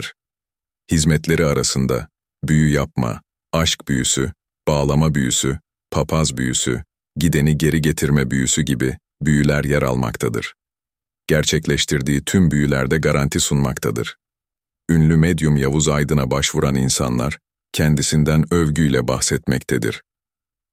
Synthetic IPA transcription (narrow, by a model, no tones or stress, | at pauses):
ɾ̥ | hizmɛt̪lʲe̞ɾiaɾasɯnd̪a̰ | byjyjap̚ma̰ | aʃkb̥yjysy | b̥aːlˠamabyjysy | pʰapʰazbyjysy̰ | ɟid̪e̞niɟe̞ɾiɟe̞t̪ʰiɾmɛbyjysyɟibi | byjylʲæɾjɛɾa̰lˠma̰kt̪ʰad̪ɯ̰ɾ̥ | ɟ̥æɾt͡ʃʰɛclʲɛʃt̪ʰiɾd̪iːt̪ʰymbyjylʲæɾd̪ɛɡaɾant̪ʰisunmakt̪ʰad̪ɯ̰ɾ̥ | ynlʲymɛd̪jumjavuzajd̪ɯnabaʃvuɾaninsa̰nlˠaɾ̥ | cʰɛnd̪isind̪ænøvɟyjlʲɛbahsɛt̪mɛct̪ʰɛd̪ḭɾ̥